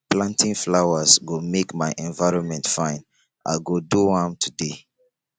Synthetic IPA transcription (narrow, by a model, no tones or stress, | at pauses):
plãntʰĩŋflaʊəsɡomekmaɪʔɛ̃nvaɪɹɔ̃nmɛ̃ntfãɪ̃n | ʔa̰ɪɡoduhamtʰude